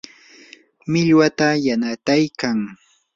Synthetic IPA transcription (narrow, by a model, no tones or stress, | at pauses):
mɪʎwat̪ajanat̪ajkaŋ